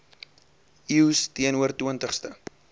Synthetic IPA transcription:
iwstiənuərtiəntəχstə

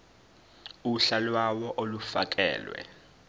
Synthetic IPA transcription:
uɬalwawɔʔolufa̰k̬ʼɛ̰ːlwɛ̰

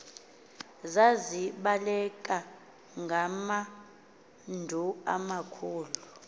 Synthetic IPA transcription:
zaziɓalɛkʼa | ŋɡʱama | ndʱuamakʰuːlu

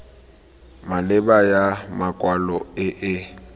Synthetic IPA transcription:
malɪbajamakʼwalɔɪʔɪ

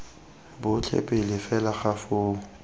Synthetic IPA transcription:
bʊt͡ɬʰɛ̰pʼɪlɪfɛlaχafʊː

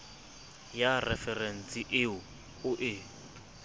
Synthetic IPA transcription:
jarɛfɛrɛn̩sʼiʔɪʊ | ʊʔɪ

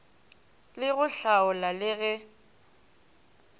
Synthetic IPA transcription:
lɪɣʊɬaʊlalɪɣɛ

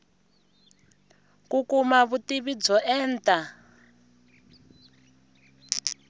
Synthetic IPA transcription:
kukumaβutiβid͡zɔʔɛːntʼa

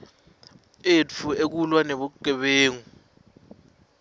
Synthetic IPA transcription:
et͡fʰuek̬ulwaneɓuǃʱɛɓeːŋu

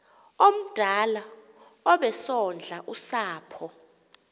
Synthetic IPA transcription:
om̩d̥ʱala | ɔɓɛsɔnd͡ɮʱaʔusaːpʰɔ

